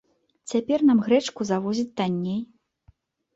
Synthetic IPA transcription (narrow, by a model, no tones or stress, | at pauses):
t͡sʲapʲɛrnamɣɾɛt͡ʂkuzavɔzʲit͡sʲt̪anʲːej